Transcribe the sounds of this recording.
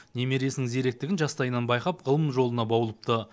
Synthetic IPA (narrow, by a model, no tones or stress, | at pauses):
ne̞me̞ɾijesɪnɪŋzeɾek̚t̪ɪɡʲɪnʒɑst̪ɑjənɑnbɑjqɑpʁəlˠəmʒo̞lˠənɑbɑwlˠəp̚t̪ə